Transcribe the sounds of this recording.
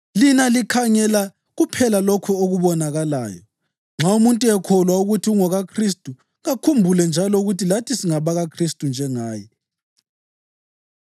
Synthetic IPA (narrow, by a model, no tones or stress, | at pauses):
linalikʰaɲɛla | ɣupʰɛlalokʰuoɣuβɔnaɣala̰ːjɔ̰ | ŋ͡ǁʱaumuntʼuɛkʰɔlwauɣutʰiuŋɔɣakʰristʼu | ɣakʰumbʱulɛnd͡ʒʱalɔuɣutilatʰisiŋaβaɣakʰristʼund͡ʒʱɛŋaːjɛ